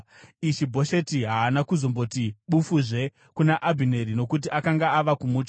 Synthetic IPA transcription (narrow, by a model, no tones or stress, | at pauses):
iʃibʱo̞ʃe̞tiɦaːnakuzo̞mbo̞tiɓufuʐe̞ | kunaʔabʱine̞ɾino̞kut̬iʔakaŋɡaaʋakumuːt͡ʃa